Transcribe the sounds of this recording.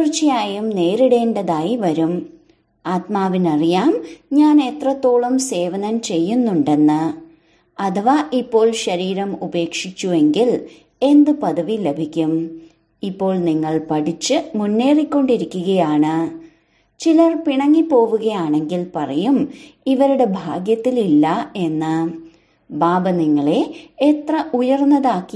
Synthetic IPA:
rt͡ɕːijaːjumne̞ːɾiɽe̞ːnɖɐðaːjiʋɐɾum | aːt̪maːʋinɐrijaːmɲaːne̞t̪rɐt̪ːo̞ːɭumse̞ːʋɐnɐnt͡ɕe̞jːunːuɳɖe̞nːɨ | ɐt̪ʰɐʋaʔipːo̞ːɭɕɐɾiːɾɐmube̞ːkʂit͡ɕːue̞ŋɡil | e̞nd̪ɨpɐðɐʋile̞bʱikʲːum | ipːo̞ːɭniŋːɐɭpɐʈit͡ɕːɨmunːe̞ːrikʲːo̞ɳɖiɾikʲːuɣɐjaːɳɨ | t͡ɕilɐrpiɳɐŋːipo̞ːʋuɣɐjaːɳe̞ŋɡilpɐrɐjumiʋɐɾuɽe̞bʱaːɡjɐt̪ːililːɐe̞nːɨ | baːbɐniŋːɐɭe̞et̪rɐʔujɐrnːɐðaːkːi

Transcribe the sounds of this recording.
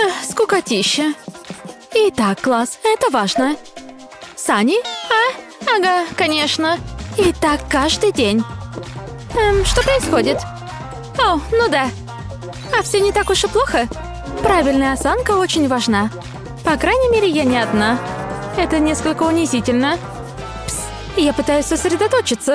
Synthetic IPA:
skʊkɐtʲiɕːə | ɪt̪akːlˠasɛt̪əvaʐnə | sanʲɪa | ɐɡakɐnʲeʂnəɪt̪akːaʐd̪ɨjdʲenʲ | ʂt̪o̞pɾəɪsxodʲɪt̪ | onud̪a | afsʲonʲɪt̪akʊʐɛplˠoxə | pɾavʲɪlʲnəjəɐsankəot͡ɕɪnʲvɐʐna | pɐkɾajnʲɪmʲeɾʲɪjanʲɪɐd̪naɛt̪ənʲeskəlʲkəʊnʲɪzʲitʲɪlʲnə | psʲ | japɨt̪ajʊsʲsəsɾʲɪd̪ɐt̪o̞t͡ɕɪt̪sə

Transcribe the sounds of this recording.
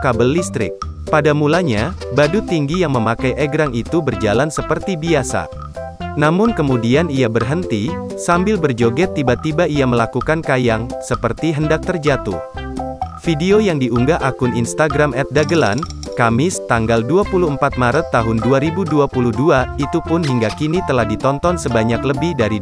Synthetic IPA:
kabəlːist̪ɾɪ̰k̚ | padamulaɲa | badut̪iŋɡijaŋməmakajʔɛɡɾaŋit̪ubərd͡ʒalansəpərt̪ibiasa̰ | namʊnkəmudianiabərɦənt̪i | sambɪlbərd͡ʒoɡɛt̪ːibat̪ibaiaməlakukankajaŋsəpərt̪iɦəndak̚t̪ərd͡ʒat̪ṵh | fideojaŋdiʔuŋɡaʔakʊninst̪aɡɾamɛt̪̚daɡəla̰n | kamɪst̪aŋɡalduapuluəmpat̪̚maɾət̪ːaɦʊnduaɾibuduapuluhduait̪upʊnɦiŋɡakinit̪əlahdit̪ɔnt̪ɔnsəbaɲakləbɪhdaɾi

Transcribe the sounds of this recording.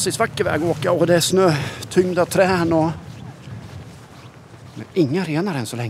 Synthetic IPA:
sɪsvakːəɾvɛ̰ːɡɔoːkaɔd̪ɛːʂnøːt̪ʰʏŋd̪at̪ʰɾɛːnɔ | mɛ̰nɪŋːaɾeːnaɾɛnsɔlɛŋː

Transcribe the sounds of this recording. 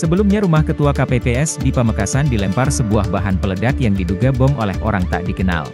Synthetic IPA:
səbəlumɲaɾumahkət̪uakapepeɛsdipəməkasandilɛmparsəbuahbaɦanpələdakjaŋdiduɡabɔŋolɛho̰ɾaŋt̪a̰ʔdikəna̰l

